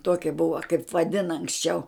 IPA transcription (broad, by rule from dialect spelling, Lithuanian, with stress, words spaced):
ˈtuɔkʲɛ ˈbʊʋɐ kɐɪp ʋɐˈdʲɪnɐ ɐŋksʲˈt͡ʃʲɛʊ